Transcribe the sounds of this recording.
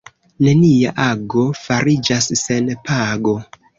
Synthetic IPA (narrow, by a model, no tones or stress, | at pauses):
ne̞nia̰ʔaɡo̞faɾid͡ʒasːe̞npʰaɡo̞